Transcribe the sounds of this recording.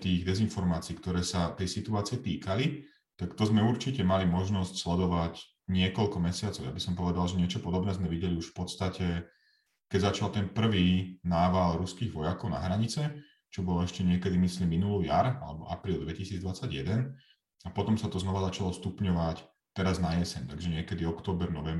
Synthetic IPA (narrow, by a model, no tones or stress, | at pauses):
t̪iːɣd̪ɛzinfɔɾmaːt͡siːkt̪ɔɾɛːsat̪ɛjsit̪uaːt͡siɛt̪iːkali | t̪akt̪ɔzmɛuɾt͡ʃicɛmalimɔʒnɔscslɛd̪ɔʋac | ɲɪɛkɔlkɔmɛsɪat͡sɔʊja̰bisɔmpɔʋɛd̪alʒɛɲɪɛt͡ʃɔpɔd̪ɔbnɛːzmɛʋiɟɛliuʃfpɔt̪st̪acʰɛ | kɛɟzat͡ʃalt̪ɛnpr̩ʋiːnaːʋalɾuskiːɣʋɔjakɔʊna̰ɦɾaɲit͡sɛ | t͡ʃɔbɔlɔɛʃcɛɲɪɛkɛd̪imisliːmːinuluja̰ɾa̰lɛbɔʔa̰pɾiːlˠd̪ʋɛcisiːd͡zd̪ʋat͡sːaɟjɛd̪ɛn | apɔt̪ɔmsat̪ɔznɔʋazat͡ʃalɔfst̪upɲɔʋac | t̪ɛɾaznajɛsɛnt̪aɡʒɛɲɪɛkɛd̪iɔkt̪ɔːbɛɾnɔʋɛm